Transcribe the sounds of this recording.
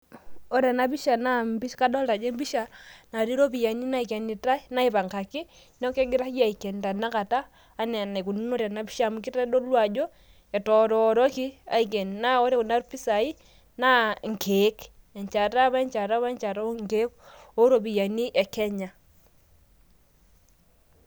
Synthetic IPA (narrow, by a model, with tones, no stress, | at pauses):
o˨ɾe˨na˨βi˦ʃa˨na˦mbi˦ʃka˦do˦lɾa˨d͡ʒe˦mbi˦ʃa˨na˨ɾi˦ɾo˦βi˨ja˨ni˦na˦i˨ke˨ni˨ta˦na˦i˨βa˨ŋka˨ki˦ | no˦ke˦ɡi˦ɾa˦kja˦˨i˨ke˨nda˨na˦ka˨taː˦ | ne˨ne˨ku˨nu˦no˦ɾe˨na˨˦βi˦ʃa˦˨mu˨ki˦ta˦ɗo˦lwa˨d͡ʒo˦ | e˨tɔ˨ɾɔ˨ɾo˦ki˦a̰˨i˨k̬e˨n˨na˦o˦ɾe˦ku˨na˦ɾu˦pi˦sa˨i˦ | na˦ŋkʰe˨˦k | e˨ɲt͡ʃa˨ta˦βa˦ɲt͡ʃa˨ta˦βa˦ɲt͡ʃa˨ta˦ŋke˦ko˦ɾo˨βi˨ja˨ni˦ʔe˨kɛ˦ɲa˨